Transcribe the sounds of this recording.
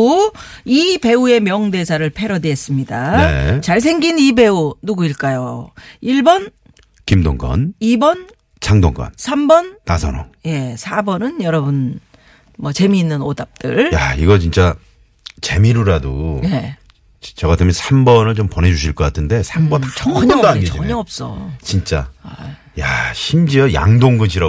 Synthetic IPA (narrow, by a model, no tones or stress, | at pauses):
u | ipe̞ue̞mjʌŋde̞sʰaɾɯɭpʰe̞ɾʌdees͈ɯmɲidanḛt͡ɕaɭs̬ʰe̞ŋɡinibe̞unuɡuiɭk͈ajoiɭbʌn | kimdoŋɡʌ̰nibʌn | t͡ɕʰaŋdoŋɡʌ̰nsʰambʌnːasʰʌno̰ŋje̞sʰabʌnɯnjʌɾʌbun | mʌt͡ɕe̞miːnːɯnodap̚t͈ɯ̰ɭjaiɡʌt͡ɕint͡ɕ͈a | t͡ɕe̞miɾɯɾadone | t͡ɕʌɡatʰamʌnsʰambʌnɯɭt͡ɕompʌne̞d͡ʑuɕʰiɭk͈ʌk͈atʰɯnde̞sʰambʌnaʌŋɲdoaɡeʌɲʌʌp̚s͈ʌ̰t͡ɕint͡ɕ͈a | jaɕʰimd͡ʑiʌja̰ŋdoŋɡɯɕʰiɾʌ